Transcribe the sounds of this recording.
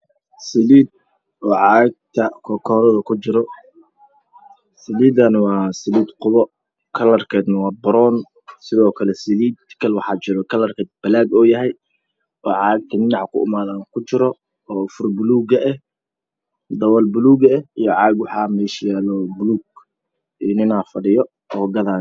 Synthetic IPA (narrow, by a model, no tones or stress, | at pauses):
sɪliːd̪̚ | ʔɔːʕɑːɡ̚t̪ʰɐkʰɔkʰɔːɾɐðɐkʰʊt͡ʃɪɾɔ | sɪliːd̪ɐnwɑːsɪliːd̪qʊβɔ | kʰɐlɐrkʰɛːd̪nɐwɑːbɐɾɔn | sɪðɔːkʰɐlɛsɪliːd̪kʰɐlwɑħɑːt͡ʃɪɾɔkʰɐlɐrkʰɛːd̪̚b̥ɐlaːɡɔːjɐɦɛj | ɔːʕɑːɡ̚t̪ʰɐnɪnɑʕkʰʊ̰ɪ̰maːðaːŋkʰʊt͡ʃɪɾɔ | ɔːfʊrbʊluːɡɐʔɛh | d̪ɐwɐlbʊluːɡɐɛijɔʕɑːɡwɑħɑːmɛːʃjaːlɔːbʊluːɡ | inɪnaːfɐɽɪjɔ | ɔːɡɐðaː